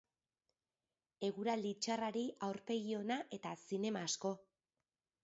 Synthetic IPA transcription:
e̞ɣuɾald̪it͡ʃaraɾiawɾpe̞ɣio̞naʔe̞t̪asine̞maːsko̞

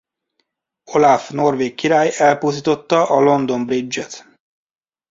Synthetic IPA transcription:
olafnorveːk̚kːiɾaːjɛlpuzit̪o̞t̪ːɒʔɒlond̪ombɾid͡ʒːɛt̪

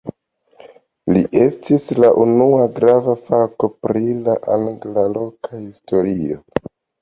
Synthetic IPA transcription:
liʔe̞stislaʔunuaɡɾavafako̞pɾilaʔaŋɡlalo̞kʰahistʰo̞ɾio̞̰

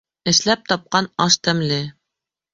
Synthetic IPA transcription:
ɘ̆ʃlæp̚t̪ɑp̚qɑn̚ɑʃt̪æmlɘ

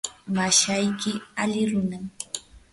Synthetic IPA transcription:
maʃajkɪaʎɪɾʊna

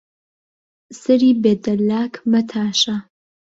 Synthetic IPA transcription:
sɐɾiːbeːd̪ɐlːaːkʰmɐt̪ʰaːʃɐ

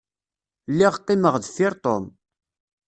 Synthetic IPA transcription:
lːiʁqːiməʁðθiɾt̪ˤom

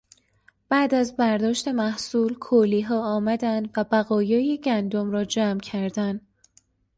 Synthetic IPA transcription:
b̥æːd̪æzbæɾd̪ɒːʃt̪e̞mæhsuːlkʰoliːɦɒːɒːmæd̪ænd̪væbæɣɒːjɛːjeɟænd̪o̞mrɒːd͡ʒæːmcʰæɾd̪æn

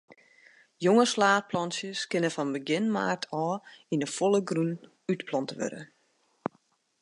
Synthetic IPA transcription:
joŋəslaːt̚plɔnsjəskɪnəfɔnbəɡɪnma̰ːrtʰɔːinəfolˠəɡrun | ytpʰlɔntəʋø̰ɾə̰

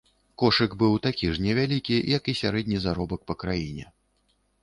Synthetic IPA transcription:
kɔʂɨɡbɨwt̪akʲiʐnʲɛvʲalʲikʲijɐkisʲaɾɛd̪ʲnʲizaɾɔbɐk̚pɐkɾajinʲɛ̰

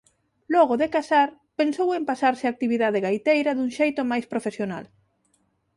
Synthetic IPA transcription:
lɔɣ̞oðekasaɾ | pensowempasaɾsɪak̚t̪iβiðaðɪɣajt̪ejɾɐðuŋʃejt̪omajspɾofesjona̰l

